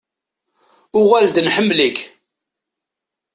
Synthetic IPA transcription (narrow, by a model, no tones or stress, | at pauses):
ʊʁæld̪nħəmːlik